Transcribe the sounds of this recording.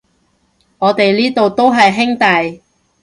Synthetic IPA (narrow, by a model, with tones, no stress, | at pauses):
ŋɔː˨˧t̪e˨jliː˥t̪o˨wt̪o˥wɦɐ˨jɦɪ˥ŋt̪ɐ˨j